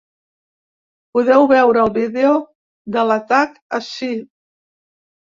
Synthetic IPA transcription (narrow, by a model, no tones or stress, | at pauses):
puðɛwβɛwɾəːlˠβiðeo | d̪ələt̪akəʃi